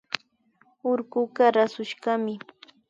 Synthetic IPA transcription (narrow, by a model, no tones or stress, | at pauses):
ʊɾɢʊɢaɾasʊʃɢamɪ